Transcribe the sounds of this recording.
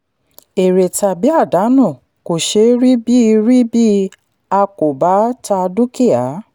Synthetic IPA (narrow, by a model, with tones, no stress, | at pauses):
e˨ɾe˨ta˨bi˨˦a˦˨da˨˦nɔ̃˦˨ | ko˨ʃe˧˦ɾi˦bi˦˧ɾi˦bi˦ | a˧ko˨ba˨˦ta˧du˦ki˦˨a˨˦